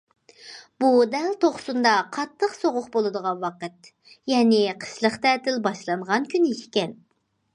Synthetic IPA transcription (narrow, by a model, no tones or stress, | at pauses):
b̥ud̪ɛlt̪ʰoχsund̪ɑqʰɑt̪ʰːəqsoʁʊqbolˠɨd̪əʁɑnwɑqət̪ | jɛnɪqʰə̥ʃlˠəχt̪ɛːt̪ɪlbɑʃlˠɑnʁɑnkʲʰynɪʃi̥kʲɛn